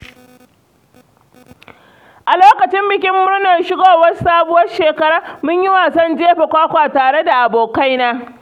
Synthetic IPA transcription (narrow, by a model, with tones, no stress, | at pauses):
ʔa˨loː˦kɐ˨t͡ʃɪ˦mbɪ˨kʲɪ˦mːʊ˦ɽnɐ˨rʃɪ˦ɡoː˦˨wɐ˦saː˦bʊ˦wɐ˦rʃeː˨kɐ˦ɽaː˦mʊ˦ɲjɪ˦waː˨sɔ˦nd͡ʒeː˦ɸe˨kʷaː˦kʷaː˨taː˨ɽe˦da˨ʔa˨boː˨ka˦jnaː˦